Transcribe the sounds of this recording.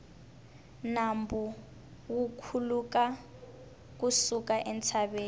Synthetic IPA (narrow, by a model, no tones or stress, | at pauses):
nambu | wukʰuluka | kusukaʔɛnt͡sʰaβeːn